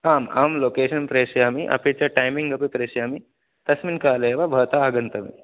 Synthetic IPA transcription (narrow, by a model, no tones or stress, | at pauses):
aːma̰ːmloːkeːʃɐnpɾeːʂjaːmiʔɐ̰pit͡ʃaʈajmiŋɡɐpipɾeːʃjaːmi | t̪ɐsminkaːleʋabʱɐːt̪aaːɡɐnt̪ɐmḭ